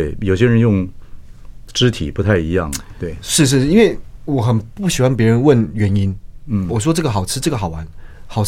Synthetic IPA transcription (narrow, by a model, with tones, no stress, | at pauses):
we˥˩ɪjo˨˩ʊɕjɛ˥ɻə˧˦˥njʊ˥˧ŋ | ʈ͡ʂɻ̩˥t̪ʰḭ˨˩pu˧˥t̪ʰa˥˩ɪi˧˥jɑ̰˥˩ŋt̪we˥˩ɪʂɻ̩˥˧ʂ̬ɻ̩˥˧˥i˥nwe˥˩ɪwɔ˨˩˦xə˨˩npu˥˩ɕi˨˩xwa˥npjɛ˧˥ɻə˧˦nwə˥˩nɥɛ˧˥ni˥n˥˩wɔ˨˩ʂ̬wɔ˥ʈ͡ʂɤ˥˩ɡə˩xɑ˨˩ʊʈ͡ʂ̩ʰ˥ʈ͡ʂɤ˥˩ɡə˩xɑ˨˩ʊwa˧˥˦nxɑ˨˩ʊ